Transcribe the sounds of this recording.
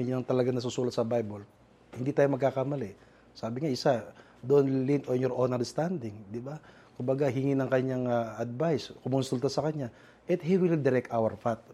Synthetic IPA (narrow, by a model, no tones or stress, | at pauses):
ɪɲʊnɐŋt̪ɐlɐɡaŋnɐs̬usuːlɐt̪̚sɐbajbol | hɪnd̪it̪aːjomɐɡ̚kaːkɐmɐlɪ | saːbɪŋaʔɪsa | d̪oʔonlint̪onjɔɾʔonɛɾd̪st̪and̪ɪŋd̪ɪba | kʊmbɐɡaɦɪŋinɐŋkɐɲaŋɐɐd̪̚bajskʊmʊnsult̪ɐsɐkɐɲa | ʔɛt̪hiwɪld̪ɛɾɛk̚t̪ʔawɛɾfat̪̚